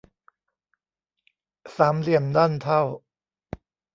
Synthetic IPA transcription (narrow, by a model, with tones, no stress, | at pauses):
saː˩˦mli˨˩əmda˥˩nt̪ʰa˥˩w